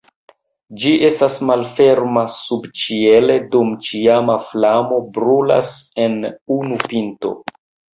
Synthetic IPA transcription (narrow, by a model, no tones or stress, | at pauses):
d͡ʒiʔe̞stasmalfe̞ɾmasubt͡ʃie̞le̞dumt͡ʃiamaflamo̞bɾula̰se̞nunupinto̞̰